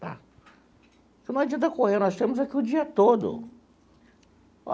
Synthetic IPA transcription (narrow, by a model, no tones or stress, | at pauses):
t̪a̰ | senɐ̃wɛd͡ʒiɐd̪ɐkoɦenɔst̪ẽmʊzakiʊd͡ʒiɐt̪od̪ʊ̰